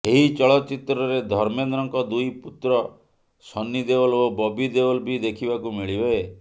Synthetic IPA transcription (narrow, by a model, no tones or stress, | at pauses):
eɦit͡ʃɔɭɔt͡ʃit̪ɾɔɾed̪ʱɔɾmenɾɔŋkɔd̪ujput̪ɾɔ | sɔnːid̪eɔlobɔbid̪ewɔlbid̪ekʰibakumiɭibee